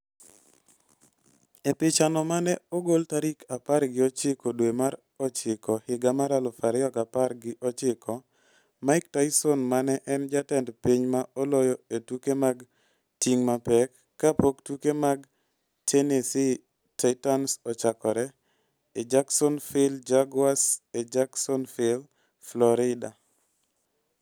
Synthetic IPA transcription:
epɪt͡ʃanɔmanɛɔɡoltaɾikʰapaɾɡɪɔt͡ʃɪkɔdwemaɾ | ɔt͡ʃɪkɔhɪɡamaɾalɔfaɾɪɔkaparɡɪʔɔt͡ʃɪkʰɔ | maɪktaɪsɔnmanɛʔɛnd͡ʒatɛndpiɲmaɔlɔjɔetukemaɡ | tiŋmapɛkːapoktukemaɡ | tʰenesi | taɪtɔnsɔt͡ʃakɔɾɛ | ed͡ʒaksɔnfɪld͡ʒaɡwased͡ʒaksɔnfɪl | flɔɾɪda

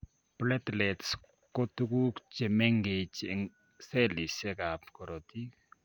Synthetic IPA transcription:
plɛtlɛts | kotukukt͡ʃemɛŋɡet͡ʃɪŋ | sɛlisɛkap̚kɔɾɔtik

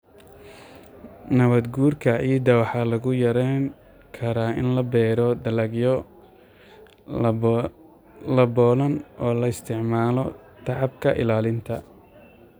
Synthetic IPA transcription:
nɐβɐd̪ɡuːrkʰɐiːd̪ɐwɑħɑlɐɣʊjɐɾɛŋ | kʰɐɾaːɪnlɐbɛːɾɔd̪ɐlɐɡjɔ | lɐbɔːlɐnʔɔːlɐɪst̪ʰɪʕmaːlɔt̪ʰɑʕɑbkʰɐʔɪ̰laːlɪnt̪ʰɐ

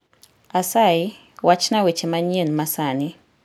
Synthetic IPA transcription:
asai | wat͡ʃnawet͡ʃemaɲenmasani

